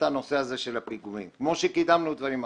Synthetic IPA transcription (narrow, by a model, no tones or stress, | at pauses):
ano̞seazeʃelapiɡumimkmo̞ʃekidamnud̪vaɾima